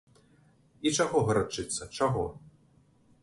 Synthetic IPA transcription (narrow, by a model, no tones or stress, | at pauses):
it͡ʂaɣɔɣɐɾat͡ʂɨt̪sːɐt͡ʂaɣɔ